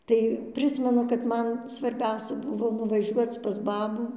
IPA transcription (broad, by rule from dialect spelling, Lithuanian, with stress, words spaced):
ˈtɐɪ ˈpʲrʲɪsʲmʲɛnʊ kɐt ˈmɐn sʋɐrʲˈbʲɛʊsʲɛ ˈbʊʋoː nʊʋɐˈʒʲuɔt͡s pɐs ˈbɑːbuː